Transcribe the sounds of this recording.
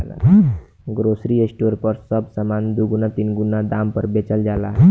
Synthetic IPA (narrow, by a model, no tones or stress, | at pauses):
la̰ | ɡɾosɾiesʈoɾpəɾsəbsəmand̪uɡunat̪iːnɡunad̪ampəɾbet͡ɕəld͡ʒala̰